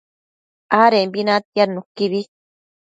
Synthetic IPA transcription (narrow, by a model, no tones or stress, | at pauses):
aɾembinat̪ijaɾnukːiβi